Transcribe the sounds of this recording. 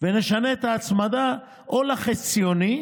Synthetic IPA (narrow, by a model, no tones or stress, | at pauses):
vene̞ʃane̞ːt̪haːt͡smad̪a | ʔolaχisjoni